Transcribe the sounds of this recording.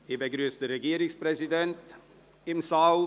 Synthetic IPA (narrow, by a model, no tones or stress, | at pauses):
eːbəɡɾyəstəɾeɡiːɾɪsprɛzidɛnt | ɪmsal